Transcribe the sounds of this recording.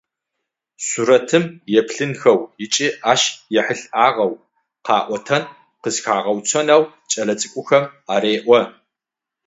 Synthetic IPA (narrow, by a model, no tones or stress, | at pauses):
suɾɐtʰɨmjɛpʰɬɨnxɐwjɪt͡ʃʼiːʔaːʃjɛħəɬaːʁɐw | qʰɑːʔʷɔtʰɐn | qəzxaːʁɐwt͡sʰɐnɐw | t͡ʃʼɐlɐt͡sʼɨkʷʼʊxɐmaːɾeːʔʷɔ